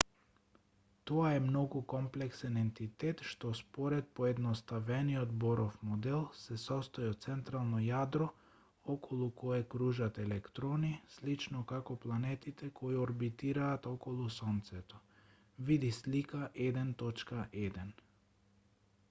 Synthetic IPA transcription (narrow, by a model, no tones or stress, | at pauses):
t̪ɔaɛmnɔɡukɔmplɛksɛnɛnt̪it̪ɛt̪ʃt̪ɔspɔɾɛt̪̚pɔɛd̪nɔst̪avɛniɔd̪bɔɾʔɔfmɔd̪ɛlˠsɛsɔst̪ɔjɔtt̪sɛnt̪ɾalˠnɔjad̪ɾɔ | ɔkʰɔlˠukɔɛkɾuʒat̪ɛlɛkt̪ɾɔnislit͡ʃnɔkakɔplˠanɛt̪it̪ɛkʰɔiɔɾbit̪iɾaːt̪ɔkɔlˠusɔnt̪sɛt̪ɔ | vid̪islikaʔɛd̪ɛnt̪ɔt͡ʃkaʔɛd̪ɛn